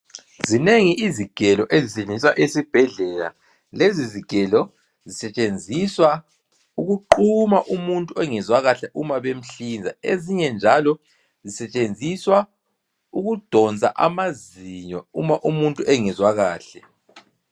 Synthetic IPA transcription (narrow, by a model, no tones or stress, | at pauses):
zineŋiʔiziɡ̥ʱɛlɔʔezisɛnd͡zʱiswaʔesib̥ʱɛɮɛla̰ | leziziɡ̥ʱɛlɔ | zisɛt͡ʃʼend͡zʱiswa | uɣuǃumaʔumuntʼuɛŋɛzwaɣaɬɛʔumaβem̩ɬind͡zʱaeziɲɛnd͡ʒʱalɔ | zisɛt͡ʃʼend͡zʱiswa | uɣud̥ʱɔnt͡sʼa̰ʔa̰maziɲɔṵmaʔumuntʼuʔɛŋɛzwaɣaːɬɛ